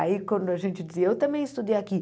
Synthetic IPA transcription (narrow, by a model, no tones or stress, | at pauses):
aikɐ̃nd̪ʊaʒẽnt͡ʃɪd͡ʒiziewt̪ɐ̃mbẽj̃ɪst̪ud̪ejaki